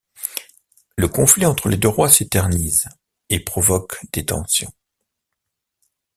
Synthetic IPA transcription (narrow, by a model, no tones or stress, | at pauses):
ləkɔ̃fliɑ̃t̪χəled̪øʁwaset̪ɛʁniz | epχɔvɔkd̪̥et̪ɑ̰̃sjɔ̰̃